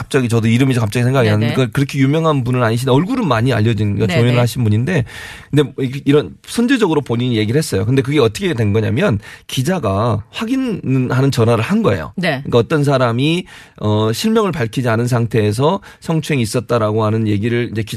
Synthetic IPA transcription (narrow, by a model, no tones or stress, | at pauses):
kap̚t͡ɕ͈aɡit͡ɕʌdoiɾɯmid͡ʑekap̚t͡ɕ͈aɡisʰeŋɡaɡiɦanɯek͈akɯɾʌkʰejumjʌŋɦanbunɯɾaɲiɕ̬ʰinnʌɭɡuɾɯnmaɲia̰ʎːʌd͡ʑinnɡat͡ɕoinɯɭhaɕʰinbuɲinde̞kɯnde̞iɾʌnsʰʌnd͡ʑed͡ʑʌɡɯɾopoɲiɲije̞ɡiɯɭhes͈ʌjo̰kɯnde̞k̬ɯɡe̞ʌt͈ʰʌkʰedwe̞nɡʌɲa̰mjʌnkid͡ʑaɡaɸwaɡinnhanɯnt͡ɕʌnɦwaɾɯɭhanɡʌḛjo̰neɯɲikaʌt͈ʌns̬ʰaɾami | ʌɕʰiɭmjʌŋɯɭpaɭkʰid͡ʑianɯns̬ʰaŋtʰe̞ːs̬ʰʌ | sʰʌŋt͡ɕʰwe̞ŋiːs͈ʌt̚t͈aɾaɡoɦanɯnje̞ɡiɾɯɭind͡ʑe̞ki